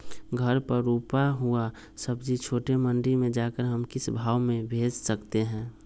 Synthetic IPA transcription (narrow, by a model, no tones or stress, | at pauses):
ɡʱəɾpəɾuːpaɦua | səbd͡ʒit͡ʃʰoːʈemə̃ɳɖimẽd͡ʒaːkəɾɦəmkɪsbʱaːʋmẽbʱeːd͡ʒsəkt̪eɦɛ̃ː